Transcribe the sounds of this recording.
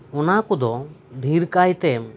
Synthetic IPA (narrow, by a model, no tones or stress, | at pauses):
ɔnakɔd̪ɔɖʱiɾkajt̪ɛm